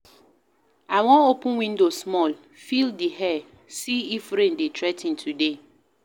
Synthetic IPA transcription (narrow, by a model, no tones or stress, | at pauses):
aɪwɔ̃nopʊ̃wĩndosmɔl | fildiɦɛ | siifɾẽndetʰɹɛtĩntʰude